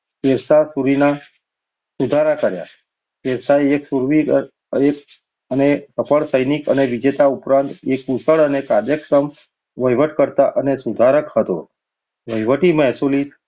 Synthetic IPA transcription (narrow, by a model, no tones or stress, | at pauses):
keɾsasuɾina | sud̪ʱaɾakəɾja̰ | keɾsaeeksuɾʋi | ek | ənesəpəɭsəjnikəneʋid͡ʒet̪aupɾãnt̪ekusəɭənekad̪jəkɾəm | ʋəjʋəʈkəɾt̪aʔənesud̪ʱaɾəkhɦət̪o̰ | ʋəjʋəʈimɛɦsulit̪